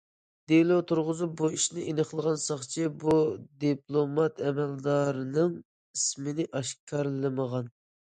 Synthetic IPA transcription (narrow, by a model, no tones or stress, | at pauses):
d̪elˠot̪ʰuɾʁʊzup̚buiʃnɪʔenəχlˠəʁɑnsɑχt͡ʃʰibud̪iplˠomɑt̪ʰɛmɛld̪ɑɾɨnɨŋ | ismɪnɪʔɑʃkʰɑɾlˠɨməʁɑn